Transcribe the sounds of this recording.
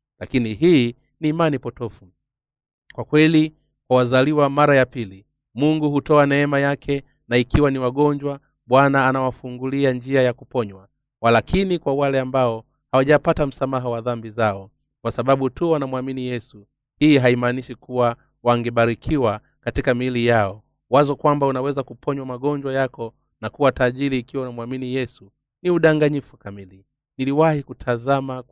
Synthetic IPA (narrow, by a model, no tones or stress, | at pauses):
lakiniɦiː | niːmanipɔtɔfu | kwakwɛli | kwawazaliwamaɾajapili | muŋɡuhutɔanɛɛmajakʰɛ | naikiwaniwaɠɔɲd͡ʒwa | ɓwanaːnawafuŋɡuliand͡ʒiajakupɔɲwa | walakinikwawalɛambaɔ | hawaʄapatam̩samaɦawaðambizaɔ | kwasaɓaɓutuwanamwaminijɛsu | hiiɦaimaniʃikuwa | waŋɡɛɓaɾikʰiwa | katikamilijaɔ | wazɔkwambaunawɛzakupʰɔɲwamaɠɔɲd͡ʒwajakɔ | nakuwataːʄiɾiːkiwaunamuwaminijɛsu | niuɗaŋɡaɲifukamili | niliwahikutʰazama